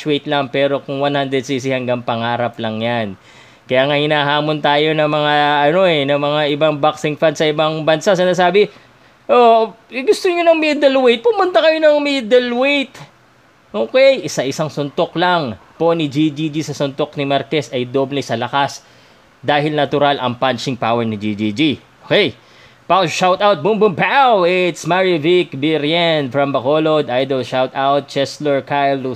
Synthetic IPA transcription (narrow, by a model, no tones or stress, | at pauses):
swɛjt̪lɐŋpɛːɾo̞kʊŋwanhand̪ɾɛd̪sis̬ɪhɐŋɡaŋpɐŋaːɾɐplɐŋjan | kɐjaːŋahɪnaːɦaːmont̪aːjo̞nɐmɐŋaɐno̞ɛnɐmɐŋaʔɪbaŋbaksɪŋfand̪sɐʔɪbaŋbɐnsasɐnaːsaːbɪ | ʔoɪɡʊst̪oɲonɐŋmiːd̪ɐlwejt̪̚pʊmʊnt̪ɐkɐjo̞nɐŋmiːd̪ɛlwejt̪ | ʔoːkɛjʔɪsɐʔɪsaŋsʊnt̪o̞klɐŋpo̞nid͡ʒid͡ʒid͡ʒisɐsʊnt̪oknimɐɾkɛsɐjd̪oblɛsɐlɐkas | d̪aːɦɪlnɐt̪ʊɾalʔɐ̰ŋpant͡ʃɪŋpawɛɹnɪd͡ʒid͡ʒid͡ʒiʔokɛj | paʃawt̪awt̪̚bʊmbʊmpawɪt̪smaɹivikbɪɾjanfɹɐmbɐkolod̪ʔajd̪olʃawt̪awt̪̚t͡ʃɛsloɹkajlːu